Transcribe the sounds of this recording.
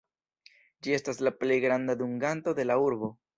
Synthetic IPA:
d͡ʒie̞staslaple̞jɡɾandaduŋɡanto̞de̞lauɾbo̞

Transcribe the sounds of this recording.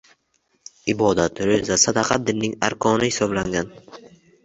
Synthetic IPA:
ɪbɒd̪at̪ɾøzasad̪ɑqʰɑt̪̚d̪ɪnːɪŋa̰ɾkʰɒnɪhɪsɒblaŋɡʲan

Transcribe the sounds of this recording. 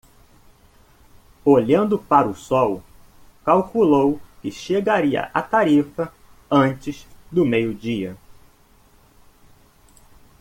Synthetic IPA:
oʎɐ̃nd̪ʊpaɾʊsɔw | kawkulowkɪʃeɡaɾiɐ̰ʔat̪aɾifɐ | ɐ̃t͡ʃɪzd̪ʊmejʊd͡ʒiɐ

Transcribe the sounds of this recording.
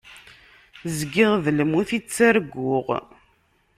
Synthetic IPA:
zɡɪʁðlmuθit͡sːaɾɡʷːʊʁ

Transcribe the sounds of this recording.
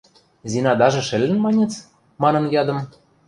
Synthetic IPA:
zinɑd̪ɑʒɤ̆ʃɘ̆lʲːɘ̆nmɑnʲĕt͡s | mɑnɤ̆njɑd̪ɤ̆m

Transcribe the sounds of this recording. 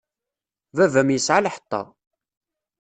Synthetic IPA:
vævmjəsʕalħə̥t̪ˤːɑ̰

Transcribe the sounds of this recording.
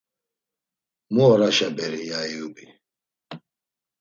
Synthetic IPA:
muɔɾaʃabɛɾijajubi

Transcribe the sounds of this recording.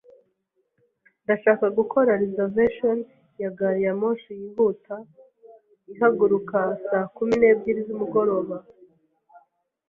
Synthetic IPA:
ndaʃaːkaɡukʰo̞ɾaɾezeveʃon | jaɡaɾijamoʃijiːβuta | iɦaɡuɾukasaːkumine̞ːbɟiɾizumuɡo̞ɾo̞ːβa

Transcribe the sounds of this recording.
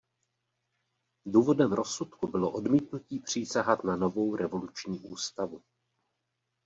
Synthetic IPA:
duːvo̞dɛmɾo̞sut̪kubɪlo̞ʔo̞dmiːt̪nuciːpr̝̥iːsaɦat̪nano̞vo̞wɾʔɛvo̞lut͡ʃɲiːʔuːst̪avu

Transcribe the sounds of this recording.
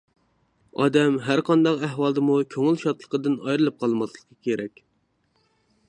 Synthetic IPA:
ɑ̰ːd̪ɛmɦæɾqʰɑnd̪ɑqæhwɑlˠd̪ɨmukʲʰøŋɪlʃɑt̪lˠəqəd̪ɨnɑjɾɨlˠɨp̚qʰɑlˠmɑslˠəqːɑkʲʰeɾɛkʲ

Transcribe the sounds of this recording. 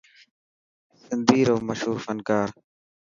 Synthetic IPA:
sɪnd̪iːɾoːməʃɦuːɾfənkaːɾ

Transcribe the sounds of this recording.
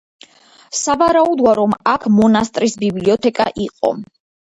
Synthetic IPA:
savaɾaud̪waɾɔmakʰmɔnast̪ʼɾisbibliɔt̪ʰɛkʼa̰ʔiqʼɔ̰

